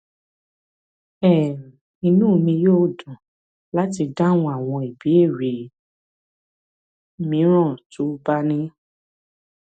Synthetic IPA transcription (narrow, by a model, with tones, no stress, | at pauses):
ɛ˦˨ | i˧nũ˦˨mĩ˧joː˦˨dũ˨ | la˦ti˧da˦˨w̃ɔ̃˧a˦˨w̃ɔ̃˧i˨bi˨˦e˦˨ɾi˨ | mĩ˨˦ɾ̃ɔ̃˦˨tu˨˦ba˦nĩ˦